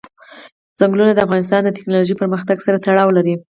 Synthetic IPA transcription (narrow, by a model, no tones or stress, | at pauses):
z̥aŋɡlunad̪əafɣɑnɪs̬t̪ɑnd̪ət̪ɪ̥knɑloʒipəɾməxt̪aɡsaɾat̪aɽɑwlaɾi